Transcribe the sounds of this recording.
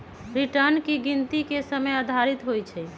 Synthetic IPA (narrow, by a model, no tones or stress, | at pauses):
ɾiʈəɾnkiɡint̪ikesəməjad̪ʱaɾit̪ɦojt͡ʃʰɛ